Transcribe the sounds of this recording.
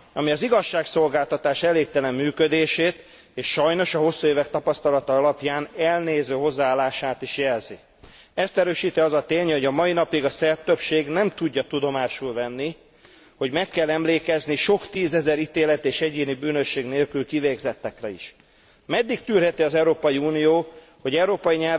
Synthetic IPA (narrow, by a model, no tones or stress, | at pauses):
ɒmiɒziɡɒʃːaːkso̞lɡaːlt̪ɒt̪aːʃɛleːkt̪ɛlɛmːyːkød̪eːʃeːt̪ | eːʃʃɒjno̞ʃɒɦo̞sːueːvɛkt̪ɒpɒst̪ɒlɒt̪ɒɒlɒpjaːnɛlneːzøːɦo̞zːaaːlːaːʃaːt̪iʃjɛlzi | ɛst̪ɛɾøːʃiːt̪iɒzɒt̪eːɲho̞ɟɒmɒinɒpiɡɒsɛrt̪øpʃeːɡnɛmt̪uɟːɒt̪ud̪o̞maːʃulvɛnːi | ho̞ɟmɛkːɛlːɛmleːkɛzniʃo̞kt̪iːzɛzɛɾit̪eːlɛt̪eːʃɛɟeːnibyːnøʃːeːɡneːlkylkiveːɡzɛt̪ːɛkrɛḭʃ | mɛd̪ːikt̪yːrɦɛt̪iɒzɛwɾoːpɒjiunijoː | ho̞ɟɛuɾoːpɒjiɲɛ